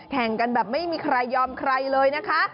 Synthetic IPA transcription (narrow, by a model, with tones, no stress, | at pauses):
kʰɛ˨˩ŋka˧nbɛː˨˩p̚ma˥˩jmiː˧kʰɾa˧jːɔː˧mkʰɾa˧jlɤː˧jna˦˥kʰa˦˥